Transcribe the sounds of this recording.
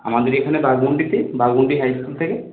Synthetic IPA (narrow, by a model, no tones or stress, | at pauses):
a̰mad̪eɾekʰanebaɡbuɳɖit̪ebaɡbuɳɖiɦajskult̪ʰeke